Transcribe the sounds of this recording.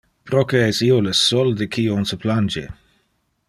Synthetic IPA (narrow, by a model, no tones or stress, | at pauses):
pɾokeɛsiolesɔld̪ekʰionsəpland͡ʒḛ